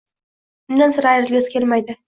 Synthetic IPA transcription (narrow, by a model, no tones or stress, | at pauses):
ʊnd̪ansʊɾajɡʲeskʲʰelmajd̪ɪ